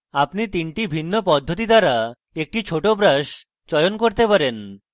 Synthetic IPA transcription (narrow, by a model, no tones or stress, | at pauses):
apnit̪iɳʈibʱinːopɔd̪ʱːot̪̬id̪aɾa | ek̚ʈit͡ɕʰoʈobɾaʃ | t͡ɕɔjonkoɾt̪epaɾen